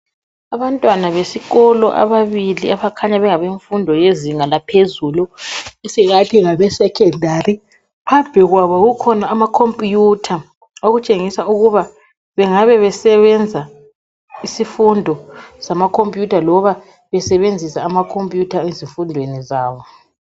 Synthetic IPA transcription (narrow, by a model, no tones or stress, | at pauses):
aβantʼwanaβesiɣɔlɔʔa̰βaβiliaβakʰaɲaβɛŋaβeɱfundʱɔjeziŋalapʰezuluisiɣatʰiɣaβɛsɛkʰɛndʱari | pʰab̥ʱɛɣwaβɔɣukʰɔnaːmakʰompʼjutʰa | oɣut͡ʃʼeŋisauɣuβa | βɛŋaβɛβɛsɛβɛnd͡zʱa | isifundʱɔsamakʰompʼjutʰalɔβa | βɛsɛβend͡zʱisaːmakʰompʼjutʰaeziɱfundʱwenizaːβɔ